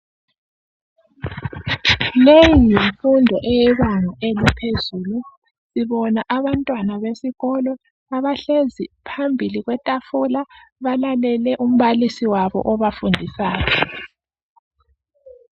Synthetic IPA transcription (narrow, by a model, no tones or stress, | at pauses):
lejijiɱfundʱɔʔɛjɛβaŋaʔelipʰezulu | siβɔnaʔaβantʼwanaβesiɣɔlɔ | aβaɬezipʰambʱiliɣwɛtʼafulaβalalɛlɛʔum̩βalisiwaβɔ̰ʔɔβafundʱisaːjɔ